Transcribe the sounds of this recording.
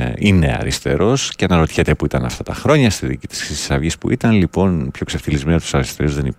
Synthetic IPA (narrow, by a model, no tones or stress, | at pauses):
ine̞̰ɐ̰ɾist̪e̞̰ɾo̞scenɐɾo̞t̪çet̪epuit̪ɐnɐ̰ft̪ɐt̪ɐxɾo̞ɲɐst̪iðḭːcit̪i̥sɾisi̥sɐvʝispṵʔit̪ɐnlipo̞npço̞kseft̪ilizmenot̪u̥sɐɾist̪eɾuzðenip